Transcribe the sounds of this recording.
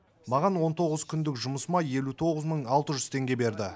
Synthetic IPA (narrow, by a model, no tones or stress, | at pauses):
mɑʁɑnwo̞nt̪ʰo̞ʁəzkʲʰʏnd̪ɪkʒʊməsəmɑje̞lut̪ʰo̞ʁəzməɴɑlˠt̪əʒʏzt̪ʰe̞ŋɡʲe̞be̞ɾd̪ɪ